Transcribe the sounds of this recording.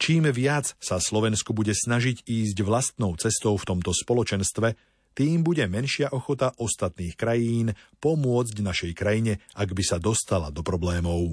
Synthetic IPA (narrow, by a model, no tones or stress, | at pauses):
t͡ʃiːmʋɪat͡ssaslɔʋɛnskɔbuɟɛsnaʒiɟiːzɟʋlast̪nɔʊt͡sɛst̪ɔʊft̪ɔmt̪ɔspɔlɔt͡ʃɛnst̪ʋɛ | t̪iːmbuɟɛmɛnʃɪaʔɔxɔt̪aʔɔst̪at̪niːxkɾajiːnpɔmʊɔd͡zɟvnaʃɛjkɾajiɲɛʔaɡbisad̪ɔst̪ala̰d̪ɔpɾɔblɛːmɔʊ